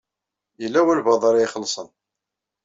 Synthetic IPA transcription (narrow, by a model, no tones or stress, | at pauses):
jəlːæwælbɑðˤɑɾˤχəlːsˤən